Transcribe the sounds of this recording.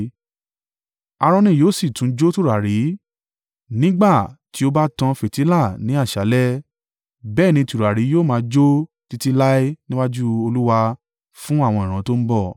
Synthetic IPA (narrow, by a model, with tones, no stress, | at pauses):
a˧ɾ̃ɔ̃˧nĩ˦˨joː˦˨si˦˨tũ˨˦d͡ʒo˦tu˦˨ɾa˨ɾi˨˦ | nĩ˦ɡ͡ba˦˨ti˨˦o˦ba˦tã˧fe˨ti˨˦la˦˨nĩ˨˦a˦˨ʃa˨˦lɛ˦ | bɛː˦˨nĩ˧tu˨ɾa˨ɾi˨˦joː˦˨mãː˧d͡ʒo˦ | ti˦ti˦la˦i˦nĩ˦wa˦d͡ʒu˦o˧lu˦wa˧ | fũ˦a˦˨w̃ɔ̃˧ĩ˨ɾ̃ã˨˦to˦m̩˦bɔ˦˨